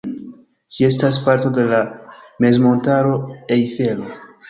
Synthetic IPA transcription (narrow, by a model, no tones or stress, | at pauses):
kie̞staspaɾto̞de̞lame̞zmo̞ntaɾo̞ejθe̞lo